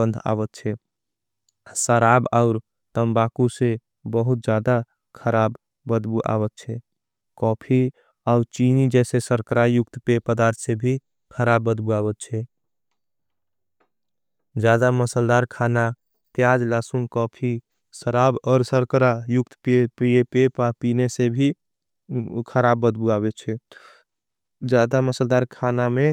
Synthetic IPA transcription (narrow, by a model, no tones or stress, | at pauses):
ənd̪ʱa̰bət̪̚t͡ʃʰɛ | səɾabaʊɾ | t̪əmbakusẽ | bəɦut̪̚d͡ʒad̪a | kʰəɾabː | əd̪buʔa̰bət̪̚t͡ʃʰɛ | kɔpʰi | aʊɾt͡ʃinid͡ʒɛsesəɾkəɾajukt̪pepəd̪aɾt̪ʰsebʱi | kʰəɾabːəd̪buabət̪̚t͡ʃʰɛ | d͡ʒjad̪aməsəld̪aɾkʰana | t̪jad͡ʒlasunkɔpʰi | səɾabɔːɾsəɾkɾajuk̚t̪pepiepepapinesebʱi | kʰəɾabːəd̪buabet͡ʃʰɛ | d͡ʒjad̪aməsəld̪aɾkʰaname